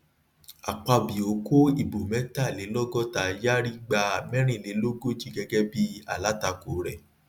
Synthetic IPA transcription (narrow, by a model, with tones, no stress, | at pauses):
a˨k͡pa˧bi˨o˨˦ko˦i˦˨bo˨mɛ̃˨˦ta˦˨le˨˦lɔ˦ɡɔ˦ta˨˧˨ja˦ɾi˦ɡ͡ba˧˨mɛ̃˦ɾ̃ĩ˦˨le˨˦lo˦ɡo˦ti˦ɡɛ˧ɡɛ˦bi˦a̰˨la˨˦ta˧ko˨˦ɾɛ˦˨